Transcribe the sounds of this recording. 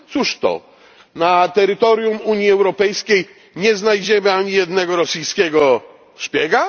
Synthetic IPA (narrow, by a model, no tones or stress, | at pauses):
t̪suʂt̪ɔ̰ | nat̪ɛɾɘt̪ɔɾʲjumuɲjiɛwɾɔpɛjskʲej | ɲɛznajd͡ʑɛmɘaɲijɛd̪nɛɡɔɾɔsʲijskʲɛɡɔ | ɕpʲjɛɡa